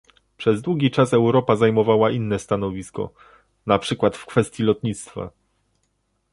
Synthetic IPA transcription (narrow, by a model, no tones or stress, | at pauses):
pʂɛzd̪wuɡʲit͡ʂasɛwɾɔpazajmɔvawaʔinːɛst̪anɔvʲiskɔ̰ | napʂɘkwat̪fkfɛst̪ʲjilɔt̪ɲit̪st̪fa̰